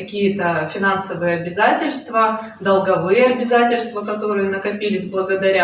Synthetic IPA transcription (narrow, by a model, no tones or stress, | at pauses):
ɐkʲijət̪əfʲɪnansəvɨjəɐbʲɪzatʲɪlʲst̪və | d̪əlˠɡɐvɨjəɐbʲɪzatʲɪlʲst̪vəkɐt̪o̞ɾɨjənəkɐpʲilʲɪsʲblˠəɡəd̪ɐɾʲa